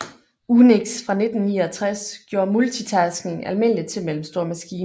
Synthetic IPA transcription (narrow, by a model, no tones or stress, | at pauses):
uneɡ̥sfʁɑ̈ne̝d̥n̩niːɒt͡sʰʁasɡ̥jo̝ːɐ̰mult͡sʰit͡sʰæsɡ̥ne̝ŋælme̝n̰lid̥t͡sʰe̝lmel̰m̩sd̥o̝ɐ̰mæsɡ̥iːn